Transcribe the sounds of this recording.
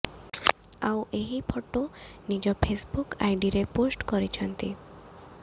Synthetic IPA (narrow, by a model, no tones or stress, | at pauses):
aweɦipʰɔʈonid͡ʒɔpʰesbukajɖiɾeposʈkɔɾit͡ʃʰɔnt̪i